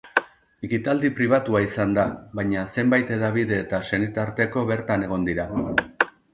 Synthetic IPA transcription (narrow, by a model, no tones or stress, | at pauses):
ekit̪ald̪ipɾiβ̞at̪uaisand̪aβajɲase̞mbajt̪e̞ðaβ̞iðe̞ːt̪ase̞nit̪aɾt̪e̞ko̞βe̞ɾt̪ane̞ɣ̞o̞nd̪iɾa